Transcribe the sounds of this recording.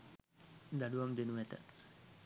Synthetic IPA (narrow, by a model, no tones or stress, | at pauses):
d̪aɖuʋamd̪enuɛt̪ə̰